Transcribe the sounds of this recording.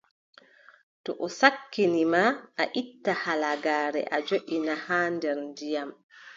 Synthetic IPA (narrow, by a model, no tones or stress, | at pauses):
tɔʔɔsakːinimaaʔitːahalaɡaːɾɛ̰ʔad͡ʒoʔʲinahaːndɛɾndijam